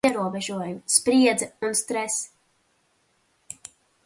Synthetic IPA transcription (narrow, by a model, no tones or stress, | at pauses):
ɛɾuɔbɛʒuɔjuspɾiɛd̪zunst̪ɾɛs